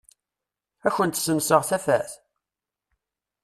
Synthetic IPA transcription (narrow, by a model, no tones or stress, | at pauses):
æçənt̪səmsəʁθæfæθ